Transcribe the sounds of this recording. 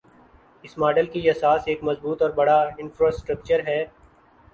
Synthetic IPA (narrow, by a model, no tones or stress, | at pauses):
ɪsmaːɖəlkiɛsaːseːkmɐzbuːt̪ɔːɾbɐɽaɪ̃nfɾaːsʈɾək̚t͡ʃəɾɦɛː